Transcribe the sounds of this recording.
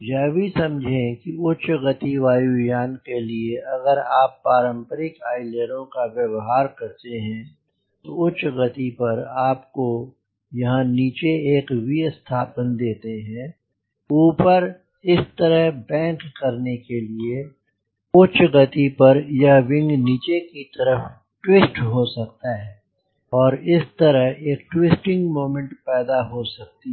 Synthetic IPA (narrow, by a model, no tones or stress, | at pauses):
jɛːbisɐ̃md͡ʒʱẽkiʊt͡ʃɣɐt̪iʋaːjujaːnkelieɐɡəɾaːpːaːɾə̃mpəɾɪkaːɪleəɾõkaʋjɐʋɦaːɾkɐɾt̪eɦɛ̃ | t̪oʊt͡ʃɣɐt̪ipɐɾaːpko | jɐɦãniːt͡ʃeeːkbiɐst̪ʰaːpənd̪eːt̪eɦɛ̃ | uːpəɾ | ɪst̪ɐɾəɦbɛ̃ːŋkːɐɾnekelie | ʊt͡ʃɡɐt̪ipɐɾjɐɦʋɪ̃ŋɡniːt͡ʃekit̪ɐɾəf | ʈwɪsʈɦosɐk̚t̪aɦɛː | ɔːɾɪst̪əɾəɦeːk̚ʈwɪsʈɪ̃ŋɡmoːmə̃ɳʈpɛːd̪aɦosɐk̚t̪i